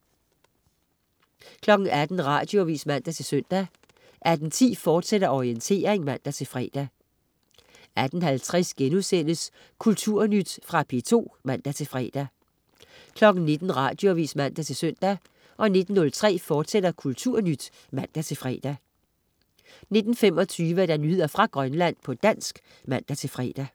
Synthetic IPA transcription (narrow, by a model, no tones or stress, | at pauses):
kʰlɒ̽ɡ̥n̩æd̥n̩ʁɑ̰̈d̥joʋḭːsmæn̰d̥æt͡sʰe̝lsøn̰d̥æ | ʔæd̥n̩t͡sʰḭːfɒːd̥seɾɐʔɒient͡sʰe̝̰ːɐʁeŋmæn̰d̥æt͡sʰe̝lfʁɛ̰ːd̥æ | æd̥n̩hælt͡sʰʁɛsɡ̥enuðˠsen̰əs | kʰult͡sʰuɐ̰nyd̥fʁɑ̈pʰe̝t͡sʰo̝̰ːmæn̰d̥æt͡sʰe̝lfʁɛ̰ːd̥æ | kʰlɒ̽ɡ̥n̩ne̝d̥n̩ʁɑ̰̈ːd̥jo̝ʋḭːsmæn̰d̥æt͡sʰe̝lsøn̰d̥æ | ʔɒ̽ne̝d̥n̩ːɔ̽lt͡sʰʁɛ̰ːfɒːd̥sed̥ɐkʰult͡sʰuɐ̰nyd̥ | mæn̰d̥æt͡sʰe̝fʁɛ̰ːd̥æ | ne̝d̥n̩fem̰ɒ̽t͡sʰyːʋəd̥ænye̝ð̰ˠɐfʁɑ̈ɡ̥ʁɶnlæn̰pʰɒ̽d̥æn̰sɡ̥ | mæn̰d̥æt͡sʰe̝lfʁɛ̰ːd̥æ